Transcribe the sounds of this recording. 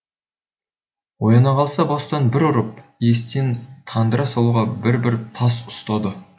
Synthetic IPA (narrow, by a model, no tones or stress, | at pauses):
wo̞jɑnɑqʰɑlˠsɑbɑst̪ɑnbɪɾʊɾəp̚je̞st̪e̞nt̪ʰɑnd̪əɾɑsɑlˠuʁɑbɪɾbɪɾt̪ʰɑsʊst̪ɑd̪ə